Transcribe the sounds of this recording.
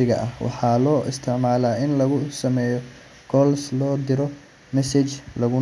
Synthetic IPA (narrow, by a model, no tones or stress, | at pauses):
ɪɣɐ̰ʔɐhwɑ̰ħɑːlɔːʔɪ̰st̪ʰɪʕmaːlaːɪnlɐɣʊsɐmɛːjɔ | ɡ̥ɔlslɔːd̪ɪɾɔ | mɛsɛt͡ʃlɐɣʊ